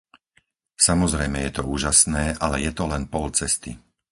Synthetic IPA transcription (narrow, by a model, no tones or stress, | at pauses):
samɔzɾɛjmɛjɛt̪ɔuːʒasnɛːʔalɛjɛt̪ɔlɛnpɔlt͡sɛst̪i